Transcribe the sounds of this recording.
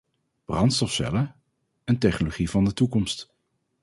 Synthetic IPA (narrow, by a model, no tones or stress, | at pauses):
b̥rɑntstɔfsɛ̰lə | əntɛχnoloχivɑndətukɔmst